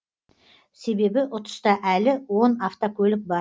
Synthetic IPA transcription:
se̞be̞bɪʔʊt̪ə̥st̪ɑʔælɪwo̞naft̪okʲʰɵlɪk̚bɑ

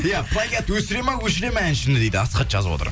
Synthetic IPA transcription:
japlˠajɡʲet̪wɵsɪɾejmɑwɵʃɪɾemænʃɪnɪd̪e̞jd̪ɪɑsqɑt̪ʒɑ̰zəbo̰t̪ə̰ɾ

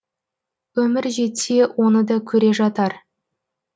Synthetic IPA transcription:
wɵmɪɾʒe̞t̪e̞wʔo̞nəd̪ɑkʲʰɵɾe̞ʒɑt̪ɑɾ

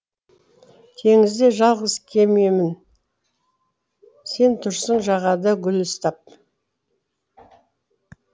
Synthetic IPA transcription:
t̪ʲʰe̞ŋɪzd̪e̞ʒɑlˠʁəzkʲʰe̞memɪn | se̞nt̪ʰʊʃsəɴʒɑʁɑd̪əɡʲʏlʏst̪ɑp̚

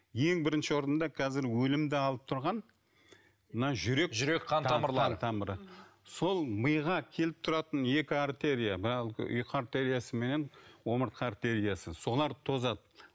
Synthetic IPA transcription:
je̞ŋbɪɾɪnʃɪwo̞ɾənd̪ɑqʰɑzɪɾwɵlɪmd̪ɪɑlˠəp̚t̪ʰʊɾʁɑn | mənɑʒʏɾe̞kʒʏɾekqʰɑnɑməɾˠɑnt̪ʰɑməɾəso̞lˠməjʁɑkʲʰe̞lɪp̚t̪ʰʊɾɑt̪ənje̞kʲɪaɾt̪e̞ɾijabɪɾɑl̰ˠʔʏ̰jqʰəaɾt̪e̞ɾijasəme̞ne̞nwo̞məɾt̪̚qɑaɾt̪e̞ɾijasəso̞lˠɑɾt̪ʰo̞zɑd̪

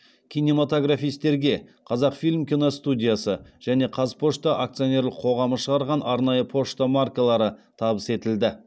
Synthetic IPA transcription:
kʲʰinʲe̞mat̪o̞ɡrafijst̪e̞ɾɡʲe̞qʰɑzɑqfijlʲmkʲino̞st̪udʲijasəʒ̥æne̞qʰɑzpʰo̞ʃt̪ɑʔak̚t̪sijo̞nʲe̞ɾlˠəqʰo̞ʁɑməʃəʁɑɾʁɑnɑɾnɑjəpʰo̞ʃt̪amarkalˠɑɾət̪ʰɑbəse̞t̪ɪld̪ɪ

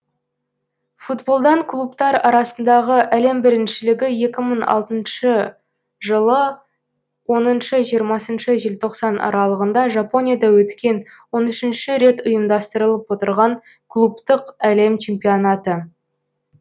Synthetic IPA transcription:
fut̪bo̞lˠd̪ɑɴkʰlˠupt̪ɑɾɑɾɑsənd̪ɑʁəʔæle̞mbɪɾɪnʃɪlɪɡʲɪje̞kʲɪməɴɑ̰lˠt̪ənʃə | ʒəlˠə | wo̞nənʃəʒijəɾmɑsənʃəʒɪlt̪ʰo̞qsɑnɑ̰ɾɑlˠəʁənd̪ɑʒɑpo̞nʲijad̪ɑwɵt̪kʲe̞nwo̞nʏʃɪnʃɪɾe̞t̪ʊjəmd̪ɑst̪əɾəlˠəpwo̞t̪əɾʁɑŋ | kʰlˠupt̪əqæle̞mt͡ʃʰe̞mpio̞nɑt̪ə

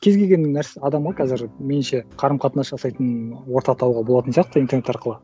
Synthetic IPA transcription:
kʲʰe̞zɡʲe̞lɡʲe̞nːnːæɾseɑd̪ɑmʁɑqʰɑzɪɾmenɪnʃe̞qʰɑɾəmqʰɑt̪ənɑsʒɑsɑjt̪ənwo̞ɾt̪ɑt̪ʰɑwʁɑboɑt̪ənsijɑq̚t̪əint̪e̞rnet̪ɑɾqəlˠə

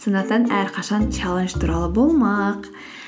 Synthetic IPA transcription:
sɤ̆nɑt̪ɑnæɾqɑʃɑnt͡ʃʰɑlˠɤnʃt̪uɾɑlˠɤbulˠmɑq

